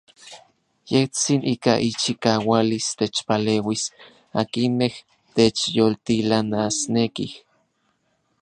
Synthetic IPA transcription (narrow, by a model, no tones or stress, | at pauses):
jeht͡sinʔiːkaʔit͡ʃikawalist̪et͡ʃpaleːwis | akineh | t̪et͡ʃjolt̪ilanasnekih